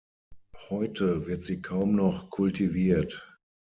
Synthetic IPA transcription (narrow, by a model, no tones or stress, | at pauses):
hɔʏtʰəvɪɐtz̥iːkʰaʊmnɔχkʰʊltʰiviːɐt